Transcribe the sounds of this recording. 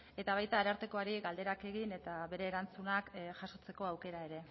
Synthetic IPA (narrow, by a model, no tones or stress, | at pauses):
e̞t̪aβ̞ajt̪aːɾaɾt̪eko̞aɾiɣald̪e̞ɾake̞ɣine̞t̪aβe̞ɾe̞ːɾant͡sunakʝaso̞t͡se̞ko̞awke̞ɾae̞ɾe̞